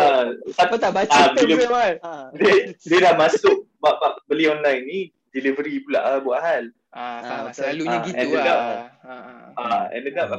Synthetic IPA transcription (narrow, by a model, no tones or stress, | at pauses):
asapat̪aʔbat͡ʃadilialdədiədahmasʊk̚baʔbaʔ̚bəliɔnlajnːi | dilivəɾipula̰ʔabuaʔɦal | aslaluɲaɡiɛ̃ndəɡap | aɛ̰̃ndəɡap